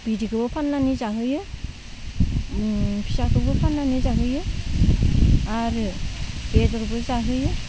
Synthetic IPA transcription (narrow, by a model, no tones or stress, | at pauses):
b̥idikʰɯbɯpʰanːanizaɦɯjɯ | pʰisakʰɯbɯpʰanːanizaɦɯjɯ | aɾɯb̥edɔɾbɯzaɦɯjɯ